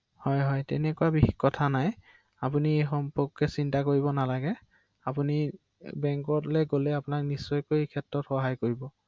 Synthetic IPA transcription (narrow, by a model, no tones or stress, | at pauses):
hɔjɦɔjtɛ̰nɛkuabixikkɔtʰanaj | ap̬uniexɔmpɔkːɛsintakoɹibɔnalaɡɛ | apuni | bɛŋkɔtlɛɡolɛapʊnaknisːɔjkojkʰɛtːɹɔtxɔɦajkoɹibɔ